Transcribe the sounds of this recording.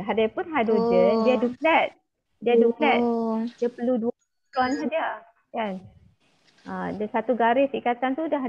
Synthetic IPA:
ɦadapʊnɦadod͡ʒəndiaduklɛt̪̚ | diaduklɛt̪̚d͡ʒəpəludu | tɔnt̪udiə | kan | ʔədəsat̪uɡaɾɪsikat̪ant̪udaɦ

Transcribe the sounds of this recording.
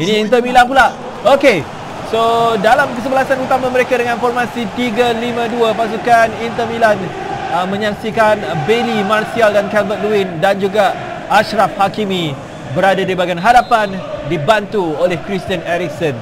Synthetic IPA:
inĩint̪̬əmilanpulaʔ | oke | sodalamkəs̬əbəlasanut̪amãməɾekadəŋãnfɔrmãsit̪iɡəlimə̃duəpas̬ukanint̪əmilan | əmə̃ɲaksikanbelimarsialdankɛlvət̪̚luindand͡ʒuɡaː | ʃɾafhakimĩ | bəɾadadibaɡajnɦaɾapandibant̪uolɛhkɾist̪iənɛɾiksɔn

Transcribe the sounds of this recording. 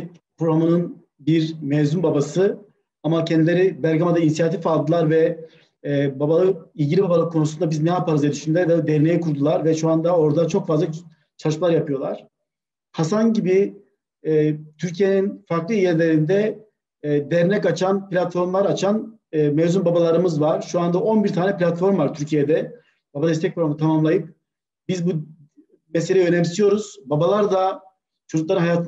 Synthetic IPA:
pɾoɾamɯnɯn | biɾmɛvzynbabasɯ | amacʰɛnd̪ilʲe̞ɾibæɾɡamad̪ainsijat̪ʰifalˠd̪ɯlˠaɾvɛ | babalˠɯilʲɟilʲibabalˠɯkʰːo̞nusunabiznɛjapaɾɯzed̪yʃynlʲɛɾvɛd̪ɛɾnejɛkuɾd̪ulˠaɾvɛʃuand̪ao̞ɾd̪at͡ʃʰo̞kfazlˠa | t͡ʃʰalˠɯʃmalˠaɾjapɯjo̞lˠa̰ɾ̥ | hasanɟibi | t̪ʰyɾcʰije̞ninfaɾklˠɯijɛɾlʲeɾind̪ɛ | d̪ɛɾnɛcat͡ʃʰanplʲat̪fo̞ɾmlˠaɾat͡ʃʰanː | mɛvzunbabalˠaɾɯmɯzvaɾ̥ʃuand̪aʔo̞nbiɾt̪ʰaːnɛpilʲat̪fo̞ɾmvaɾt̪ʰyɾcʰijed̪ɛ | b̥abad̪ɛst̪ʰɛc̚foɾamt̪ʰamamlˠajɯp̚ | bizbu | mɛs̬elʲɛjønɛmsijo̞ɾuz̥babalˠaɾd̪a | t͡ʃʰod͡ʒuk̪lˠaɾɯnajaːt̪ʰ

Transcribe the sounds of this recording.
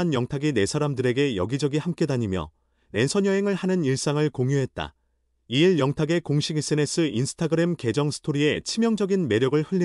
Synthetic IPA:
anjʌŋtʰaɡine̞sʰaɾamdɯɾe̞ɡe̞jʌ̰ɡid͡ʑʌɡihamk͈e̞daɲimjʌ̰ | ne̞nsʰʌɲjʌɦe̞ŋɯɭhanɯniɭs͈aŋɯɭkoŋjuɦe̞t̚t͈a̰ | iiɭjʌŋtʰaɡe̞koŋɕʰiɡis͈ɯne̞s͈ʰɯinsʰɯ̥tʰaɡɯɾe̞mke̞d͡ʑʌŋsʰɯ̥tʰoɾie̞t͡ɕʰimjʌŋd͡ʑʌɡinme̞ɾjʌɡɯɭhɯɭːi

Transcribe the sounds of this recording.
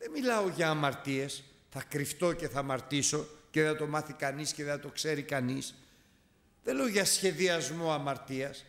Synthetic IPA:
ðemilɐo̞ʝɐːmɐɾt̪ie̞s | θɐkɾift̪o̞ce̞θɐːmɐɾt̪iso̞ceðeθɐt̪o̞mɐθikɐnisceðeθɐt̪o̞kse̞ɾikɐnis | ðeloʝɐsçe̞ðiɐzmo̞ɐmɐɾt̪iɐs

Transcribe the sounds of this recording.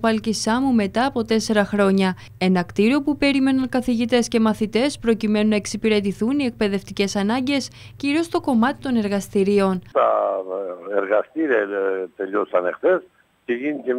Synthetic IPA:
pɐlcisɐmume̞t̪ɐːpo̞t̪e̞se̞ɾɐxɾo̞ɲɐ | e̞nɐkt̪iɾio̞pupe̞ɾime̞nɐŋkɐθiʝit̪e̞sce̞mɐθit̪e̞spɾo̞cime̞nunɐeksipiɾe̞t̪iθunie̞k̚pe̞ðe̞ft̪ice̞sɐnɐɲɟe̞s | ciɾio̞st̪o̞ko̞mɐt̪i̥t̪o̞ne̞ɾɣɐst̪iɾio̞nt̪ɐ̰ | eɾɣɐst̪iɾiɐt̪eʎosɐnḛxθes | ceʝinice

